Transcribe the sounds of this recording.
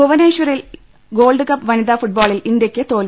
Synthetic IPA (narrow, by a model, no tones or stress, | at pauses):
oʋɐneːɕʋɐril | ɡo̞ːlɭɖɨkɐpːʋɐniðaːfuʈ̚baːɭilind̪jɐkʲːɨt̪o̞ːl